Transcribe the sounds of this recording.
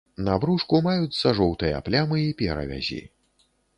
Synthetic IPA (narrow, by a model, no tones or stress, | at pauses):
nabɾuʂkumajut͡s̪sɐʐɔwt̪ɨjɐ̰plʲamɨipʲɛɾɐ̰vʲa̰zʲḭ